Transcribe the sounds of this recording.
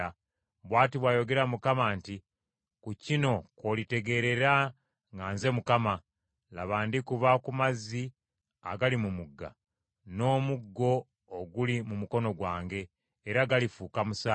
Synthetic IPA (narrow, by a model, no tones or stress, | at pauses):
a | βwaːtiβwajo̞ɡe̞ɾamukamaːnti | kucino̞kolite̞ɡe̞ːɾe̞ɾa | ŋɡaːnze̞mukama | laβaːndikuβakumazi | a̰ɡalimumuɡːa̰ | no̞ːmuɡːo̞ː | ɡulimumuko̞no̞ɡwaːŋɡe̞ː | ɾaɡalifuːkamusa